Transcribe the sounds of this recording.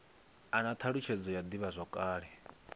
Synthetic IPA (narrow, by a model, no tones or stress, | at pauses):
anat̪ʰaɺut͡ʃʰɛd͡zɔjad̪iβazʷɔkʼaːɺɛ